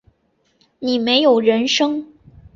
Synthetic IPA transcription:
ni˨˩me˧˥ɪjo˨˩ʊɻə˧˥nʂɤ˥ŋ

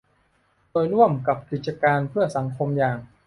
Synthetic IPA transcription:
doː˧jɾu˥˩əmka˨˩p̚ki˨˩t̪̚t͡ɕa˧kaː˧npʰɯ˥˩əsa˩˦ŋkʰo˧mjaː˨˩ŋ

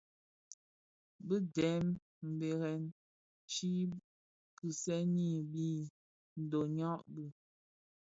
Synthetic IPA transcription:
bɨ˦dɛ˨˦m | m̩˨be˨ɣɛ˨n | t͡ʃi˦ | kɨ˨sɛ˦ni˦˨bi˦˨ | n̩˨do˨ɲɔ˦ʔbɨ˦˨

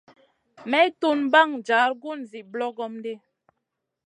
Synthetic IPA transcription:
mɛ˦to˦n˦ba˦˨ŋd͡ʒa˨˦ɾɡu˦˨nzi˨blɔ˦ɡɔ˦mde˦

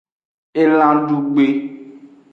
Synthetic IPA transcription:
e˦lã˦ɖu˦ɡ͡be˦

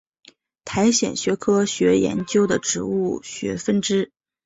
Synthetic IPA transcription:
t̪ʰa˧˥ɪɕjɛ̰˨˩nɕɥɛ˧˥kʰɤ˥ɕɥɛ˧˥jɛ̰˧˥nt͡ɕjo˥ʊd̪ə˨ʈ͡ʂɻ̩˧˥u˥˩ɕɥɛ̰˧˥fə˥˩nʈ͡ʂɻ̩˥

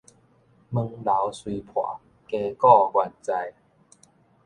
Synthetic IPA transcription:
mɨ˧ŋla˨˦wswi˧pʰwa̰˨˩˦ | ke˧kɔ˥˧ɡwa˧˩nt͡sa˧j

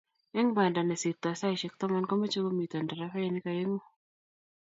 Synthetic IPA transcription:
ɛ˦ŋba˨nda˨nɛ˨si˨t̪ːa˨sa˦jʃɛ˦k̚t̪ɔ˦ma˦nkɔ˦ma˦t͡ʃo˦ɡo˦mi˨t̪ɔ˨nda˨ɾafɛ˦ɛnɪ˦kaje˦ŋo˦

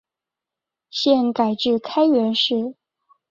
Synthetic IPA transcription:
ɕjɛ˥˩nka˨˩ɪʈ͡ʂɻ̩˥˩kʰa˥ɪɥɛ˧˥nʂɻ̩˥˩

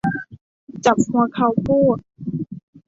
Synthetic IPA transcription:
t͡ɕa˨˩p̚hu˧ɐkʰa˧˩wpʰuː˥˩t̪̚

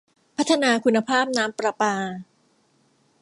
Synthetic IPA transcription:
pʰa˦˥t̪ʰːa˧naː˧kʰu˧nːa˧pʰaː˥˩p̚naː˦˥mpɾa˧paː˧

